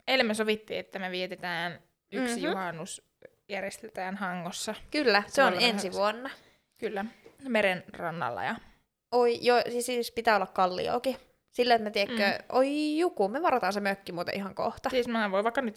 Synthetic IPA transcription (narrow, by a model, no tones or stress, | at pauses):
elːmːesoʋit̪ːḭːet̪ːæmeʋiet̪et̪æːn | yksijuhɑnːus | jærjest̪et̪æːnhɑŋːosːɑkylːæseonenssiʋuonːɑ | kylːæmeɾenrɑnːɑ̰lːɑ̰jɑ | oijjosisispit̪æːolːɑkkɑlːḭo̰ːki | silːæet̪met̪iekːøʔoijukumeʋɑrot̪ɑːnsemøkːimuːt̪ɑ̰ʔihɑŋko̰ht̪ɑsismæʋoiʋɑˑikːɑnyt̪